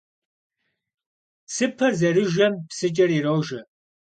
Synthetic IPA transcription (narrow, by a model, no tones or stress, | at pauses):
sɨpʰɐrzɐrɨʒɐmpsɨt͡ʃʼɐriroːʒɐ